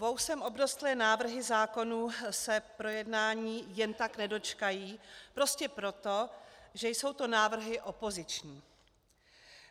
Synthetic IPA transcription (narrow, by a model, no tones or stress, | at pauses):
vowsɛmo̞bɾost̪lɛːnaːvr̩ɦɪzaːko̞nuːsɛpɾo̞jɛdnaːɲiːjɛnt̪aknɛdo̞t͡ʃkajiːpɾo̞scɛpɾo̞t̪o̞ʒɛjso̞wt̪o̞naːvr̩ɦɪʔo̞po̞zɪt͡ʃɲiː